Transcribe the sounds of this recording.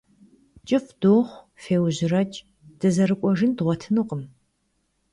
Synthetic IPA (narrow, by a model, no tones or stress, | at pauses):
t͡ʃʼɪfd̥oːχʷ | feːwʑɪrɐt͡ʃʼ | d̥ɨzɐɾɨkʷʼɔʒɪndʁʷɔtʰɨnɨqʼəm